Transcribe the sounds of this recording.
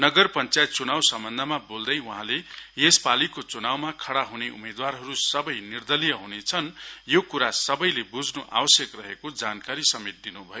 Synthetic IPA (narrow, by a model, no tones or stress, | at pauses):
nʌɡʌrpʌnt͡sajt̪̚t͡sunawsʌmbʌnd̪ʱʌmabold̪ʌjuɦãlejespalikot͡sunawmakʰʌɽaɦuneʔṵmed̪warɦʌɾusʌbʌjnird̪ʌlijʌɦunet͡sʰʌnjokuɾasʌbʌjlebud͡znuʔa̰wʌsjʌkrʌɦekod͡zankaɾisʌmet̪̚d̪inubʱʌjo